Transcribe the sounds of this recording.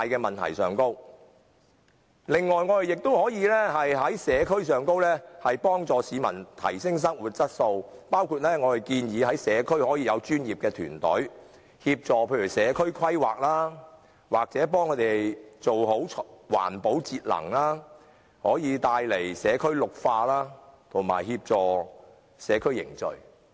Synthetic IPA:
jkɛː˧mɐ˨nt̪ʰɐ̰˨˩jsœː˨ŋko˥w | lɪ˨ŋːɔː˨˩jŋɔː˨˧t̪e˨jɪ˨k̚t̪o˥whɔː˨˥jiː˨˧lɛː˥hɐ˨jɦɐ˨˥jsɛː˨˧kʰɵ˥ɥsœː˨ŋko˥wlɛː˥hɐ˨jpɔː˥ŋt͡sɔː˨˧siː˨˧mɐ̰˨˩nt̪ʰɐ̰˨˩jsɪ˥ŋs̬ɐ˥ŋwu˨t̚t͡sɐ˥t̚so˧wpaː˥wkʰuː˧t̚lɛː˥ŋɔː˨˧t̪e˨˩jkiː˧njiː˨˧ɐ˨˥jsɛː˨˧kʰɵ˥ɥhɔː˨˥jiː˧jɐ˨˧wt͡ʃyː˥njiː˨p̚kɛː˧t̪ʰy̰ː˨˩nt̪ɔ̰˨˥ɥ | hiː˧p̚t͡sɔː˨pʰe˧jy˨˩wsɛː˨˧kʰɵ˥ɥkʰwɐ˥jwaː˨k̚laː˥ | waː˨k̚t͡sɛː˨˥p̬ɔː˥ŋkʰɵ˨˧˥t̪e˨t͡so˨who˨˥wʰwa̰ː˨˩npo˨˥wt͡siː˧t̚lɐ̰˨˩ŋlaː˥ | hɔː˨˥jiː˨˧t̪aː˧jle˨˩jsɛː˨˧kʰɵ˥ɥlʊ˨k̚faː˧laː˥t̪ʰʊ˨˩ŋma̰ː˨˩jhiː˧p̚t͡sɔː˨ | sɛː˨˧kʰɵ˥ɥjɪ̰˨˩ŋt͡sɵ̰˨ɥ

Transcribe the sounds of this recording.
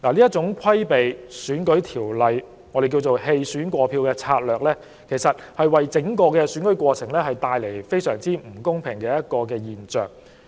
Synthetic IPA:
laː˨˩liː˥ɐ˥t̚t͡sʊ˨˥ŋkʷʰɐ˥jpe˨jsyː˨˥nkɵ˨˥ɥt̪ʰiː˨˩wlɐ˨j | ŋɔː˨˧˥ɾe˨jk̬iː˧wt͡so˨wɦe˧jsyː˨˥nkʷɔː˧pʰiː˧wkɛː˧t͡sʰaː˧t̚lœː˨k̚lɛː˥ | kʰe˨˩jsɐ˨t̚hɐ˨jwɐ˨jt͡sɪ˨˥ŋkɔː˧kɛː˧syː˨˥nkɵ˨˥jkʷwɔː˧t͡sʰɪ˨˩ŋlɛː˥hɐ˨jt̪aː˧jle˨˩jfe˥jsœː˨˩ŋt͡siː˥m̩˨˩kʊ˥ŋpʰɪ˨˩ŋkɛː˧jɐ˥t̚kɔː˧kɛː˧jiː˨˩nt͡ʃœː˨˩ŋ

